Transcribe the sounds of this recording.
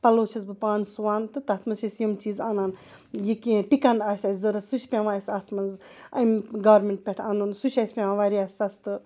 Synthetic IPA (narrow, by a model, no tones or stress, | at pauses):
pɐloːt͡ʃʰɐzbɨpaːnsuʋaːnt̪ɨt̪ɐt̪ʰmɐzʃɐsjɐmt͡ʃiːzaːnaːn | jikĩpikɐɳɖaːsʲɐsʲzɐɾɐsuʃʲpʲeʋaːsʲaːt̪ʰmɐzɐmɡaːɾmʲeɳʈ̚pʲeʈʰanunsuʃʲɐsʲpʲẽʋãʋaɾiaːsʲɐst̪ɨ